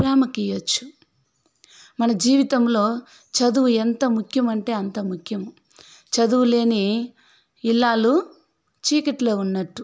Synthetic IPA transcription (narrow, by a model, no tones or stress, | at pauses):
ɾaːmɐkijɐt͡ʃːu̥ | mɐnɐd͡ʒiːʋit̪ɐmlo̞ː | t͡ʃɐd̪uʋuent̪ɐmukʰjɐmɐɳʈe̞ːɐnt̪ɐmukʰjɐmu | t͡ʃɐd̪uʋule̞ːni | ilːaːlu | t͡ʃiːkɐʈloːunːɐʈːu